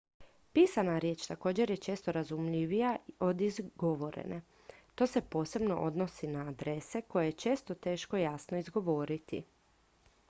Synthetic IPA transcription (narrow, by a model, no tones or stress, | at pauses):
piːsanaɾje̞t͡ʃt̪ako̞ːd͡ʑe̞ɾjet͡ʃe̞ːst̪o̞ɾazumʎiʋijaio̞d̪izɡo̞ʋo̞ɾḛne | t̪o̞ːse̞po̞ːse̞bno̞̰ʔo̞d̪no̞sinaːd̪ɾe̞se̞ko̞jejet͡ʃe̞ːst̪o̞t̪e̞ːʃko̞jasnoizɡo̞ʋo̞ːɾit̪ḭ